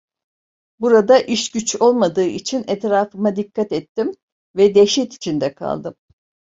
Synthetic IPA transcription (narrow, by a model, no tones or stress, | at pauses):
buɾad̪aʔiʃɟyt͡ʃo̞lˠmad̪ɯːʔit͡ʃʰinɛt̪ɾaːfɯmad̪ikʰːat̪ɛt̪ːim | vɛd̪eʃit̪i̥t͡ʃʰind̪ɛkʰa̰lˠd̪ɯm